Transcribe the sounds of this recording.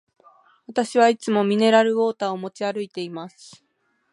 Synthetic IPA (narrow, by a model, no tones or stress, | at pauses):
βat̪aɕiβait͡sɨmo̞mʲine̞ɾaɾɯ̟o̞ːt̪aːomo̞t͡ɕiaɾɯ̟it̪e̞imasɨ̥